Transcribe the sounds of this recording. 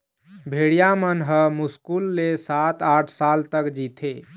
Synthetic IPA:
bʱeɽijamənɦəmuskulːesat̪aʈʰsalt̪əkd͡ʒit̪ʰe

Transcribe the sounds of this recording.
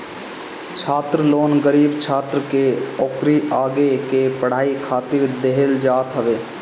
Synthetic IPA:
t͡ʃʰaːt̪ɾəloːnɡəɾiːbt͡ʃʰaːt̪ɾəkeoːkɾiʔaːɡekepəɽ̤aːikʰaːt̪ɪɾd̪eɦeld͡ʒaːt̪ɦəʋeː

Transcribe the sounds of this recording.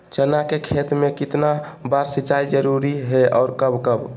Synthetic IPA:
t͡ʃənakekʰet̪mẽkɪt̪na | baɾsit͡ʃaid͡ʒəɾuɾiɦɛɔːɾkəbkəb

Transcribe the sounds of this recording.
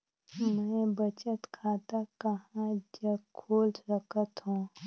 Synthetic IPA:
mɛ̃bət͡ʃət̪kʰaːt̪akəɦãd͡ʒəkʰoːlt̪səkʰət̪ɦũː

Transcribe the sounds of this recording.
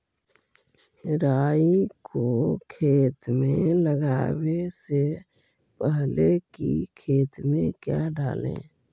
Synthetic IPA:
ɾaːikokʰeːt̪meləɡaːwese | pəɦlekikʰeːt̪mẽkjaɖa̰ːlḛ̃ː

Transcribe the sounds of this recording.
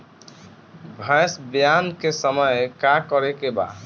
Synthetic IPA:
bʱə̃jsbjankesəməjkakɔɾekeba̰

